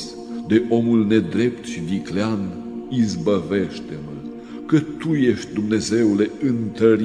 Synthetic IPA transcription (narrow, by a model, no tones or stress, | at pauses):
s | d̪e̞ʔo̞mulne̞d̪ɾe̞pt̪ʃid̪iklean | izbəve̞ʃt̪e̞mə | kət̪uje̞ʃt̪̚ʲd̪umne̞ze̞wle̞ɨnt̪əɾ